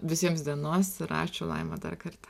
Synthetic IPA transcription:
ʋʲɪsʲiɛmsd̪ʲiɛnoːsɾɑ̰ːt͡ʃʲɛʊlˠɐ̰ɪmɐd̪ɐ̰rkɐrt̪

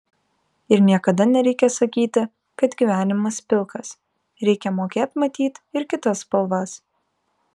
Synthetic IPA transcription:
ɪɾnʲiɛkɐd̪ɐnʲɛɾʲɛɪkʲɛsɐkʲiːt̪ʲɪ | kɐt̪ɡʲiʋʲæːnʲɪmɐspʲɪlˠkɐs | ɾʲɛɪkʲɛmoːkʲeːt̪mɐt̪ʲiːt̪ɪɾkʲɪt̪ɐspɐlˠʋɑs

